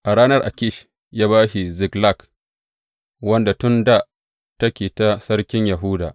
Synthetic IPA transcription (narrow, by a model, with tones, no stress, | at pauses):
ʔa˨ɽaː˦nɐ˦rʔa̰˨kʲɪ˦˨ʃ | jaː˦βaː˦ʃi˨zɪ˨ɡla˦˨k | wɐ˦nda˨tʊ˦nda˦ | tɐ˦kʲeː˨ta˦sɐ˦rkʲɪ˦ɲja˨ɦʊ˦da̰˨ʔ